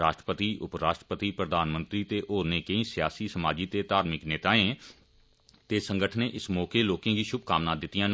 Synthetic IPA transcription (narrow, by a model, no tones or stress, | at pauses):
ɾaːʃʈɾəpət̪iːʔʊpɾaːʃʈəpət̪iːpɾəd̪aːnmə̃nt̪ɾiːt̪eːʔoːɾnẽːkeĩːsɪjaːsiːsəmaːd͡ʒiːt̪eːt̪aːɾmɪkneːt̪aːẽː | t̪eːsə̃ŋɡəʈʰəneːʔɪsmɔːkeːloːkẽːɡiːʃʊb̚kaːmnãːd̪ɪt̪ːijãː